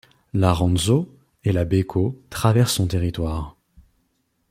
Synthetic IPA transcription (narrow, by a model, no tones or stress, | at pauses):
laʁɑ̃nzo | elabekʰot̪χavɛʁsːɔ̃t̪eʁit̪waːʁ